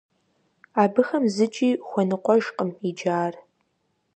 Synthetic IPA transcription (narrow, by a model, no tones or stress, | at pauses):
aːbɨxɐmzɨt͡ʃʼiːχʷɔnɨqʷʼɔʒqʼəmid͡ʒaːr